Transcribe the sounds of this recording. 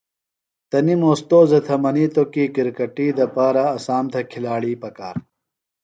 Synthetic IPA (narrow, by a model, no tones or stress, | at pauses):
t̪ɐnimoːst̪oːzɐt̪ʰɐmɐniːt̪okiːkiɾkɐʈiːd̪ɐpaːɾaːsaːmt̪ʰɐkʰilaːɽiːpɐka̰ːɾ